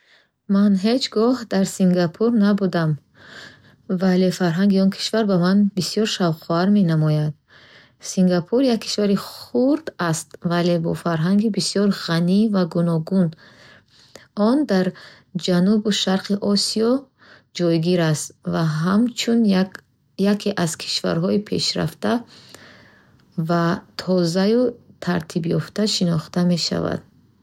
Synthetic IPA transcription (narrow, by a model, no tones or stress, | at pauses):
manɦed͡ʒɡɔhd̪aɾsiŋɡapʰuɾnabud̪am | vale̞faɾɦaŋɡiɔnkʰi̥ʃvaɾbamanbisijɔɾʃavqɔaɾme̞namɔjad̪ | siŋɡapʰuɾjakʰːi̥ʃvaɾiχχuɾd̪ast̪vale̞bɔ̰faɾɦaŋɡibisjɔɾʁanivaɡunɔɡun | ɔnd̪aɾ | d͡ʒanubuʃaɾqʰiʔɔsiɔ | d͡ʒɔjɡiɾast̪vaɦamt͡ʃʰun | jakʰeʔaz̥kʰi̥ʃva̰ɾɦɔipʰe̞̰ʃɾa̰ft̪a | vat̪ʰɔzajut̪ʰaɾt̪ʰibjɔft̪aʃinɔχt̪ame̞ʃa̰va̰d̪̥̚